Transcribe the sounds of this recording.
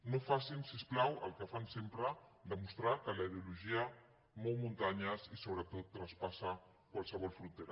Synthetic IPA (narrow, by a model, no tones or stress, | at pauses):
nofasinsisplawə̰lkəfansempɾəd̪əmust̪ɾakəlaiðeuluʒia | molmunt̪aɲazisoβɾət̪ot̪ːɾaspasa | kwalˠsəβɔlfɾunt̪eɾa